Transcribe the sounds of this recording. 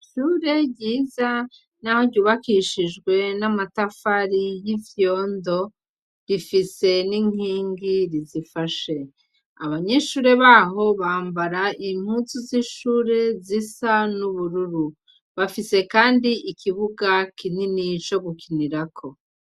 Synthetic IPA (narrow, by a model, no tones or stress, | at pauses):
ʃuːɾe̞ɟiːza | naho̞ɟuːβakiʃid͡ʒɡwe̞namatafaɾijivjo̞ːndo̞ | ɾifise̞niŋ̥iːŋɡiɾizifaʃe̞ | a̰βaɲe̞ʃuːɾe̞βaːɦo̞βaːmbaɾaim̥hut͡suziʃuːɾe̞zisanuβuɾuɾu | βafise̞kaːndiikiβuɡakininit͡ʃo̞ɡukiniɾakʰo̞